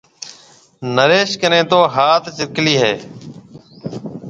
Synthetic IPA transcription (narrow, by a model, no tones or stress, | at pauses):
nəɾeːʃkənẽːt̪oːɦaːt̪t͡ʃɪɾkliːɦɛː